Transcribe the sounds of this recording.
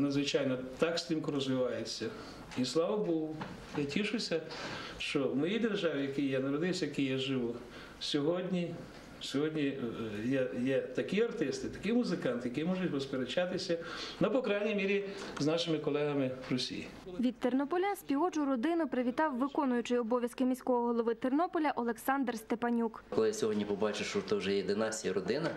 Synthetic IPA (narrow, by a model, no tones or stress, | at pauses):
nɐd̪zʋɪt͡ʃɑjnɔt̪ɑksʲt̪ʲimkʊɾɔzʋɪʋɑjet͡sʲːɐ | islˠɑʋɐbuw | jatʲiʃʊsʲɐʃt͡ʃɔwmɔjijd̪erʒɑʋʲijɐkɪjjanɐɾɔd̪ɪwsʲɐjɐkijaʒɪʋʊ | sʲɔɦɔdʲnʲi | sʲɔɦɔdʲnʲijɛjɛt̪ɐkiɐrt̪ɪst̪ɪt̪ɐ̥kɪjmʊzɪkɑnt̪jɐkɪjmɔʒʊtʲʋɔspeɾet͡ʃɑt̪ɪsʲɐnɔpɔkɾɑjnʲijmʲiɾʲiznɑʃɪmɪkɔlˠɛɦɐmɪrɔsʲḭjḭʋʲidt̪̚t̪ernɔpɔlʲansʲpʲiɔt͡ʃʊɾɔd̪ɪnʊpɾeʋʲit̪ɑwːɪkɔnʊjʊt͡ʃɪjɔbɔʋʲjɐskɪmʲisʲkɔɦɔɦɔlˠɔʋɪt̪ernɔpɔlʲɐʔɔlˠeksɑnd̪rst̪epɐnʲukkɔlˠɪsʲɔɦɔdʲnʲipɔbɑt͡ʃɪwʃt͡ʃɔt̪ɔwʒɛjɛd̪ɪnɑsʲijɐɾɔd̪ɪnɐ